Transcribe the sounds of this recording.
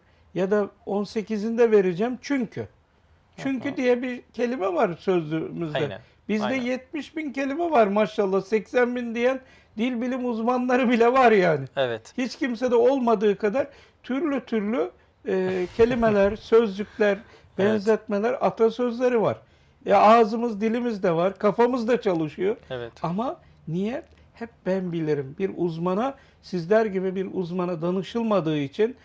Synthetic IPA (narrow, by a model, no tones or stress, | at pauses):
jad̪ao̞nse̞cizind̪ɛve̞ɾed͡ʒɛmt͡ʃʰyɲcʰy̰ | t͡ʃʰyɲcyd̪ijɛbicʰe̞lʲimɛvaɾsø̞zlʲymyzd̪ɛ | b̥izd̪ɛjɛt̪̚miʃbince̞lʲimɛvaɾmaʃalˠːahsɛcsænbind̪ijæn | d̪ilʲbilʲimuzmanlˠaɾɯbilʲɛvaɾjaːnɪvɛt̪hit͡ʃcims̬ed̪ɛo̞lˠmad̪ɯːkʰad̪aɾ | t̪ʰyɾlʲyt̪ʰyɾlʲyː | cʰe̞lʲimelʲæɾsø̞zlycʲlʲæɾ | bɛnzɛt̪̚melʲæɾat̪ʰasø̞zlʲe̞ɾiva̰ɾ̥ | ɛaːzɯmɯzd̪ilʲimizd̪ɛvaɾkʰafamɯzd̪at͡ʃʰalˠɯʃɯjoɛt̪ama | nijɛt̪̚ | hɛp̚bænbilʲiɾimbiɾuzmana | sizlʲæɾɟibibiɾuzmanad̪anɯʃɯlˠmad̪ɯːit͡ʃʰin